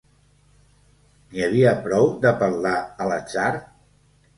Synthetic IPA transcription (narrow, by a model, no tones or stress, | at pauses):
niəβ̞iəpɾɔwd̪əpəɾlaələt͡ʃaɾ